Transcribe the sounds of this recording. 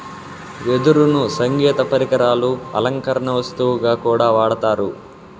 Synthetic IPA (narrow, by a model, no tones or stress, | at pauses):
ʋed̪uɾunusɐŋɡɛːt̪ɐpɐɾikɐɾaːluɐ̰lɐŋkɐɾɐɳɐʋɐst̪uʋuɡaːkuːɽaːʋaːɽɐt̪aːɾu